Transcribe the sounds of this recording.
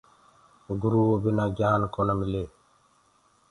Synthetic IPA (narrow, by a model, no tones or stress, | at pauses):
ɡuɾuwobinaɡankɔnomile